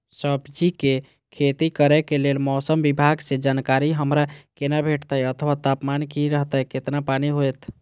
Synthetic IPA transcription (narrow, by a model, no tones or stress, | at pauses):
səbd͡ʒike | kʰet̪ikəɾɛkelelmɔsəmbibʱaɡsed͡ʒankaɾiɦəmɾakenabʱeʈt̪əjət̪ʰəwat̪apmankiɾəɦt̪əjket̪napaniɦojt̪ʰ